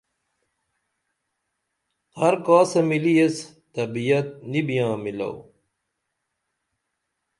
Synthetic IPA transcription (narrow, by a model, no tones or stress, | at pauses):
hɐɾkaːsɐmilijes | t̪ɐbijɐt̪̚nibijãːmilɐ̰w